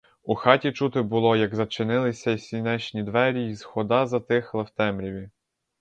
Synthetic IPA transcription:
uxɑtʲit͡ʃut̪ɪbʊlˠɔjɐɡzɐt͡ʃɪnɪlˠɪsʲɐisʲinɛt͡ʃnʲid̪ʋɛɾʲizxɔd̪ɑzɐt̪ɪxlˠɐwt̪ɛmɾʲiʋʲi

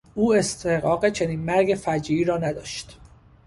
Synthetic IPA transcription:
ʔuːe̞st̪ʰehɣɒːɢe̞t͡ʃʰe̞niːnmæɾɟe̞fæd͡ʒiːiːɾɒːnæd̪ɒ̰ːʃt̪

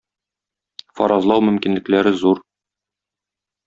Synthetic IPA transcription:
fɒ̰ɾɑzlˠɑwmɵ̆mkinlɘ̆klæɾɘzuɾ

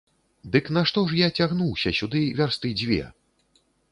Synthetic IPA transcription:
d̪ɨknaʂt̪ɔʂ̬jat͡sʲaɣnuwsʲɐsʲud̪ɨvʲarst̪ɨd͡zʲvʲɛ̰

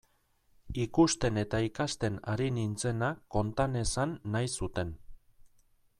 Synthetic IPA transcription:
ikust̪e̞ne̞t̪aikast̪e̞naɾinint͡se̞nako̞nt̪ane̞sanːajsut̪e̞n

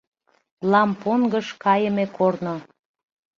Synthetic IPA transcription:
lɑmponɡəʃkɑjə̆mekorno

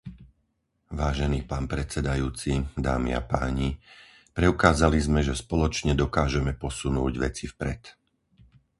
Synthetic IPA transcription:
ʋaːʒɛniːpaːnpɾɛt͡sɛd̪ajuːt͡sid̪a̰ːmḭa̰paːɲi | pɾɛʊkaːzalizmɛʒɛspɔlɔt͡ʃɲɛd̪ɔkaːʒɛmɛpɔsunuːɟʋɛ̰t͡sifpɾɛ̰t̪

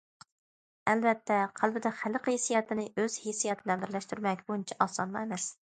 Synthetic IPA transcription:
ælvɛt̪ʰːɛqʰælˠbɪd̪ɛχælqesijɛt̪ʰɪnɪøz̥hesijɛt̪ʰɪd̪ɛb̪ɪɾlɛʃt̪ʰyɾmɛkʲbunt͡ʃʰɛʔɑsɑnmɑemɛs

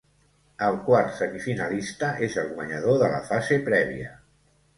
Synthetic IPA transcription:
əlˠkwaɾt̪səmifinəlist̪əʔezəlˠɣwəɲəð̞oðələ̰fazepɾɛβ̞ḭə

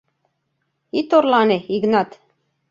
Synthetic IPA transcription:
it̪oɾlɑneiɡnɑt̪

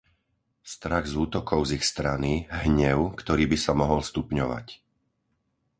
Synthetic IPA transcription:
st̪ɾaɣzuːt̪ɔkʰɔʊzixst̪ɾaniɦɲɛʊkt̪ɔɾiːbisamɔɦɔlst̪upɲɔʋa̰c

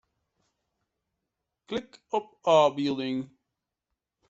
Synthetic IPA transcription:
kʰlɪkʌp̚ɑːbɪlˠdɪ̃ŋ

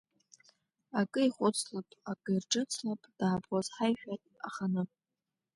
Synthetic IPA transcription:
akʼɨiχʷʊt͡sʰlapʼakʼɨirʈ͡ʂʼɨt͡sʰlapʼd̥aːbozħajʃᶣatʼaχanɨ

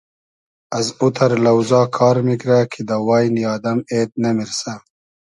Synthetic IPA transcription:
azut̪ʰɐɾlɐwzɑːkʰɑːɾmikɾakʰid̪awɑːjnjɑːd̪ɐmeːt̪̚namiɾsa

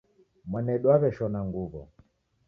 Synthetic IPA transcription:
mwanɛɗwaβɛʃɔnaŋɡuβɔ̰

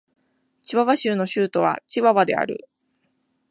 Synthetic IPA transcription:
t͡ɕiβaβaɕɨːno̞ɕɨːt̪o̞β̞a̰t͡ɕiβaβad̪e̞̰a̰ɾɯ̟̰

